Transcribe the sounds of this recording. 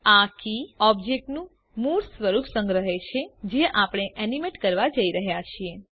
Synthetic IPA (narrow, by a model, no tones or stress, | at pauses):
akiɔbd͡ʒek̚ʈnũ | muɾsʋəɾupʰsə̃ŋɡɾəɦet͡ʃʰed͡ʒeʔapəɽ̃eʔɛnimeʈkəɾʋad͡ʒəiɾəɦjat͡ʃʰie